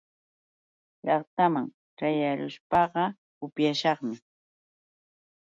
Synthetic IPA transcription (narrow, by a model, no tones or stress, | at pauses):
ʎɑχt̪amaŋ | ʈ͡ʂajaɾʊʃpɑɢɑ | ʊpjaʃɑχmɪ